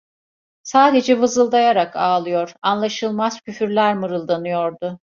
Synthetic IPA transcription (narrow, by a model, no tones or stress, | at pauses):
saːd̪e̞d͡ʒɛvɯzɯlˠd̪ajaɾakaːlˠɯjo̞ɾanlˠaʃɯlˠmaz̥cyfyɾlʲæɾmɯɾɯlˠd̪anɯjo̞ɾd̪ʊ